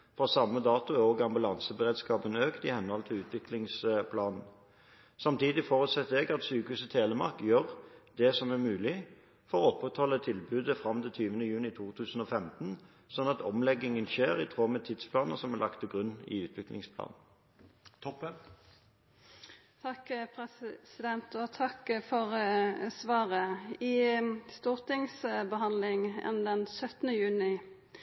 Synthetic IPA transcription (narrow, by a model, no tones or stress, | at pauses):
fʁɑːsɑmːəd̪ɑːt̪ʊæʁoːɡɑmbʉlɑnsəbəʁeːd̪skɑːpənøːkt̪ɪhɛnhɔlt̪ʰɪlʉːt̪ʋɪklɪŋspʰlɑːnn̩ | sɑmt̪ʰiːd̪ɪfoːʁʉt̪sɛt̪ːəɛɡɑt̪syːkəhʉːsət̪ʰeːləmɑ̰ʁkjøʁd̪ɛsɔmæʁmʉːlɪ | fɔʁɔɔpʁət̪hɔlːət̪ʰɪlbʉːd̪əfʁɑmt̪ɪt̪ʰyːʋənəjʉːnɪt̪ʰuːt̪ʰʉːsən̩ɔːfɛmt̪n | sɔnːɑt̪ʰɔmlɛɡɪŋənçeːʁɪt̪ʰʁoːmɛt̪ʰid̪spʰlɑːnəsɔmæʁlɑkt̪ʰɔɡʁʉnːɪ̰ʉːt̪ʰʋɪklɪ̰ŋspʰlɑ̰ːnʰ | ɔp | t̪ʰɑkpʰɛsɪd̪ɛnt̪ɔt̪ʰɑkfɔʁsʋɑːʁəɪst̪uːʁt̪ɪŋsbəɦɑnlɪŋɛ̰nd̪ɛnsœt̪nəjʉːnɪ